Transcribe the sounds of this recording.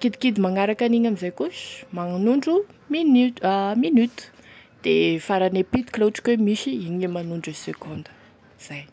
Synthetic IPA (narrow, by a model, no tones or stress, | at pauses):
kid̪ikid̪imaŋaɾakaniɲamizajkuʃmaŋanuɳɖ͡ʐuminiminyt̪u̥d̪̥efaɾanepit̪i̥kleʈ͡ʂi̥kwemiʃiiɲemanuɳɖ͡ʐesekʰond̪ə̥ | z̥aj